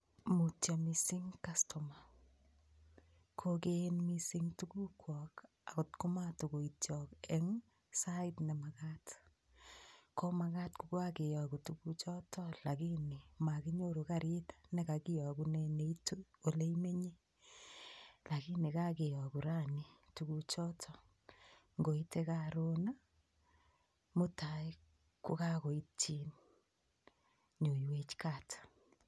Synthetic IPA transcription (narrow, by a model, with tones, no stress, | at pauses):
mu˨ta˨mi˨si˦ŋka˦stɔ˨ma˨ | kʰo˦ke˦nmisiŋtu˦ku˦kwɔk | a˨ku˨tku˦ma˦to˨ko˨i˨tjɔkɛ˦ŋ | saitne˨ma˨ka˦t | ko˦ma˨ka˦tku˨kwa˦ke˨jɔ˨ku˨tuku˦t͡ʃɔ˦tʰɔ˦la˨ki˦ni˨ma˨ki˦ɲo˦ɾu˨ka˦ɾi˦tḁne˦ka˨ki˦jɔ˨ku˦ne˦ne˦i˦tu˦o˨le˦me˦ɲe˦ | la˨ki˦ni˨ka˦ke˨jɔ˨ku˨ɾa˦ni˦tu˦ku˨t͡ʃɔ˦tʰɔ | ŋɡo˨i˦te˦ka˦ɾo˦na˦ | mu˦ta˨i˦ | ku˦ka˦ko˨i˦tʰi˦n | ɲo˨jwe˦t͡ʃka˨t